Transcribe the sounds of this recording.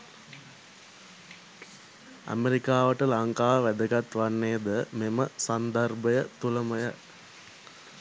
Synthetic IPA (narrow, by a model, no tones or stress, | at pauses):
a̰meɾikaːʋəʈəlaŋkaːʋæd̪əɡat̪ʋanːeːd̪əmeməsand̪ərbəjət̪uləməjə